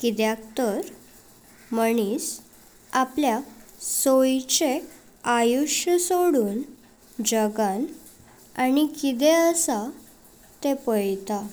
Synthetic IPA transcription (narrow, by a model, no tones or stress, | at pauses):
kid̪jakt̪əɾ | məɳ̃iːs | apljasojt͡ɕe | ajuʂjəsoɽuːn | d͡ʑəɡan | anikit̪eəsa | t̪epəjt̪a